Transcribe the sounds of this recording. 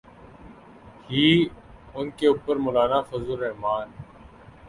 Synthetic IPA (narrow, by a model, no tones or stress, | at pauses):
hiː | ʊnkeːuːpəɾmolaːnaːfəzʊɾeɦmaːn